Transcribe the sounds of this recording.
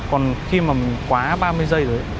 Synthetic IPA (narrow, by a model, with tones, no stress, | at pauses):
kɔ˨˩nxi˧maː˨˩mï˨˩ŋ̟kwaː˨˦ɓaː˧mɨ˧əjzə˧jzo˨˦